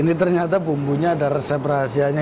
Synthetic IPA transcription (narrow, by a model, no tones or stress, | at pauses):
init̪ərɲat̪apumbuɲaːdaɾesɛpərɦasiaɲa